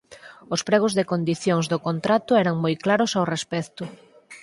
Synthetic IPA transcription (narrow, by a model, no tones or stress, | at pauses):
ʊspɾɛɣ̞ʊzðɪkond̪iθjoŋzðokont̪ɾat̪ʊɛɾaŋmojklaɾʊsawrespɛkt̪ʊ